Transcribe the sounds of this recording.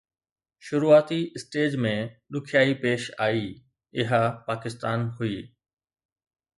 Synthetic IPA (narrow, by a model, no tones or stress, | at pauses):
ʃʊɾuːaːt̪iɪsʈeːd͡ʑmẽɗʊkʰjaːipeːʃaːiː | ɪɦəpaːkɪst̪aːnɦʊiː